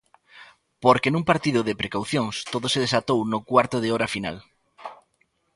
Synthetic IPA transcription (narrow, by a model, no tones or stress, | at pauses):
poɾkenũŋpaɾt̪iðʊðɪpɾekawθjoŋst̪oðʊseð̞esat̪ownʊkwaɾt̪ʊðɪɔɾafina̰l